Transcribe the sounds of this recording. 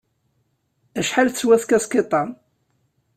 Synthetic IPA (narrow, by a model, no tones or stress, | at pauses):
æʃħalt͡sːwæθkæsket̪ˤːɑm